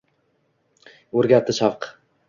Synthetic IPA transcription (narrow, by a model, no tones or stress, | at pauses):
ɵɾɡʲat̪ʰːɪʃavq